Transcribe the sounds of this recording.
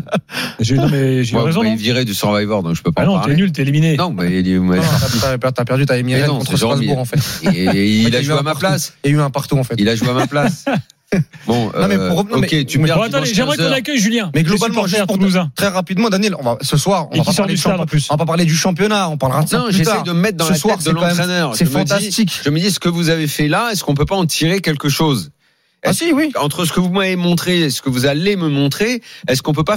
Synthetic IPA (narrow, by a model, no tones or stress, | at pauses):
ʒemɛʒmwaʁz̃ilviʁɛd̪əsɔʁvajvɔʁd̪ɔ̰̃kʒə̥pøpanɔ̃aʁɛnylt̪eliminenɔ̃mɛlimwant̪at̪aɛpɛt̪apɛʁd̪yt̪aɛmiɛd̪̃ɔ̃t̪χəsazibuʁɑ̃fɛt̪ː | laʒyeamalasiayɛ̃paʁt̪uɑ̃fɛt̪ilaʒueamaplas | bɔ̃nøɔ̃mɛpuʁnɔomɛkʲet̪yɛ̃t̪ɛʒɛmʁɛk̪ɔakœjʒyljɛ̃mɛɡlɔbalm̃ʒɛpuuluzɛ̃t̪χɛʁapid̪mɑ̃d̪anjɛlɔ̃vasəswaʁɔ̰̃vasʁed̪ʃplysvapapaʁled̪yʃɑ̃pjɔnaɔ̃paʁləʁasnɔ̃ʒesaɛjʁd̪əməmɛt̪χd̪ɑ̃lsəswaʁsd̪əɛlɑkɑ̃m̃ɛmχɛnœʁʒsɛmfd̪asst̪ikʒəməd̪isə̥kəvuzavefɛlaɛskɔ̃p̬øpaɑ̃t̪ʰiʁekʲɛlkəʃoz | ɛsiwiɑ̃t̪χəsə̥kəvumavemɔ̃t̪χesə̥kəvuzaleməmɔ̃t̪χeɛskɔ̃p̬øpa